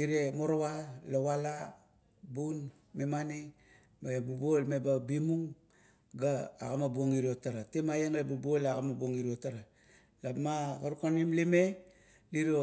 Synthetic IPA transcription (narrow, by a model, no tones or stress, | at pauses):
iɾemoɾowalowala | bun | memani | babubolmebabimuŋ | ɡaːɣamabuoŋiɾiotaɾatemajeŋɾebubolaɣamabuoŋiɾiotaɾa | lamakaɾukanimlime | liɾo